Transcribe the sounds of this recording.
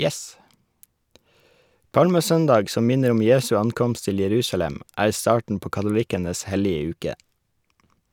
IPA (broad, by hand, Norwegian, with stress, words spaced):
ˈpɑlməˌsœndɑɡ ˈsɔm ˈmɪnəɾ ˈɔm ˈjeːsʉ ˈɑnˌkɔmst ˈtɪl jɛˈɾʉːsɑlɛm ˈæːɾ ˈstɑːʈɳ̩ ˈpoː kɑtʊˈlɪkənəs ˈhɛlɪə ˈʉːkə